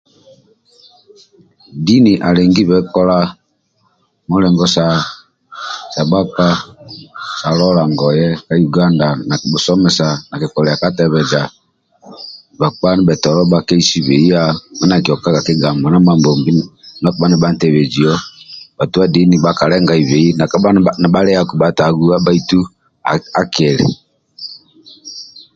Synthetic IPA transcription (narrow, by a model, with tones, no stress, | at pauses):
di˦ni˨ʔa˨lɛ˨ŋɡi˦βɛ˨˦kɔ˦la˦ | mɔ˦lɛ˨ŋɡɔ˦sa˨˦ | sa˨ɓa˦k͡pa˦ | sa˨˦lɔ˦la˨ŋɡɔ˨jɛ˦ka˨˦ju˨ɡa˦nda˨na˨ɓu˨sɔ˦mɛ˨sa˨na˨ki˨kɔ˨ɾɛ˨a˨ka˦tɛ˦βɛ˨d͡ʒa˨ | ɓa˨k͡pa˦ni˦ɓɛ˨tɔ˨ɾɔ˦ɓa˦kɛ˦i˦si˦βɛ˨i˦a˦mɛ˦na˨ki˨ɔ˨ka˦ka˨ki˦ɡa˨mɔ˨na˦ma˨mbɔ˨mbi˦na˦kɔ˦ɓa˦nɛ˦˨ɓa˦n˨tɛ˨βɛ˨d͡ʒi˨ɔ˦ba˨tu˦a˦di˨˦ni˨ɓa˨ka˨lɛ˦ŋɡa˨i˨βɛ˨i˦na˨a˦a˦na˨ɓa˦ɾɛ˦a˦ku˨ɓa˨ta˨ɡu˦a˦ɓa˦i˦tu˦˨ | a˨˦kɛ˨ɾɛ̰˨